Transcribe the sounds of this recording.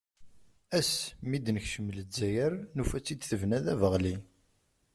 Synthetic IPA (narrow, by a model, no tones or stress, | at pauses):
æsmid̪nəçʃəmːələzæjəɾnufæt͡sːid̪θəvnæðævəʁli